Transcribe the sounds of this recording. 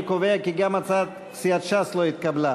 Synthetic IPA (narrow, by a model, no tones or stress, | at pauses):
koveakiɡamat͡sad̪ | siat̪ʃasloit̪̚kabla